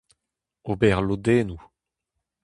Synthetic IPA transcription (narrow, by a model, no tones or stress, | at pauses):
obɛʁlod̪ɛːnu